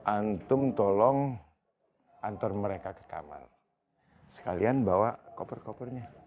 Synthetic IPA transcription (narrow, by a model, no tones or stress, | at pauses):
ʔant̪ʊmt̪ɔlɔŋ | ʔant̪ɔrməɾekakə̥ka̰ma̰l | sə̥kalianbawakopərkopərɲa